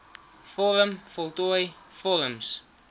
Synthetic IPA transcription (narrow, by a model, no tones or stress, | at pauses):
fɔɾəmfɔlˠtuəjfɔɾəms